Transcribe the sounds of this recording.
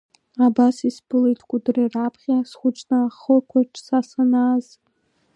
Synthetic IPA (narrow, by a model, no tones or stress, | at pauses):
abasisbɨlejtʰʼkʷʼudrirapʰχʲasχʷʊt͡ʃnɨaχərkʷʰaʈ͡ʂʰʼsasanaz